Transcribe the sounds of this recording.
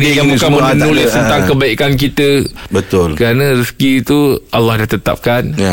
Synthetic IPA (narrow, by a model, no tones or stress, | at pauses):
nijaŋbukanmənənulɪsst̪ənt̪aŋkəbaikank̬it̪əbət̪ʊlkəɾanãɾiskiːt̪uʔalːahdat̪ət̪a̰p̚kan